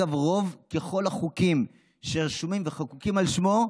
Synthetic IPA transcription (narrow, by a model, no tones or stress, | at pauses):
avʁo̞vkeχo̞laχukim | ʃeʁʃumimveχakukimalʃmo̞